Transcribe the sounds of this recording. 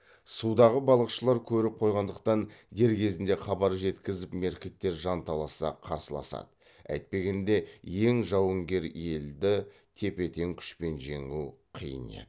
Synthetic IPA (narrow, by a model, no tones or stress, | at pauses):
sud̪ɑʁəbɑlˠəqʃəlˠɑɾkʲʰɵɾɪp̚qʰo̞jʁɑnd̪əqt̪ɑnd̪e̞ɾkʲʰe̞zɪnd̪e̞χɑbɑɾʒe̞t̪kʲɪzɪpme̞ɾkʲe̞t̪ːe̞ɾʒɑnt̪ʰɑlˠɑsɑ̰qʰɑ̰ɾsəlˠɑ̰sɑ̰d̪ə | æ̰jt̪̚pe̞ɡʲe̞nd̪e̞je̞ŋʒɑwəŋɡʲe̞ɾje̞ld̪ɪ | t̪ʰe̞pe̞t̪e̞ŋkʲʰʏ̥ʃpe̞nʒe̞̰ŋuwqʰijə̰nḛd̪ə